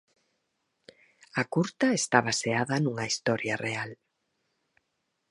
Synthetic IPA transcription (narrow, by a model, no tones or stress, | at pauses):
akuɾt̪ɐest̪aβaseaðɐnuŋɐist̪ɔɾjɐreal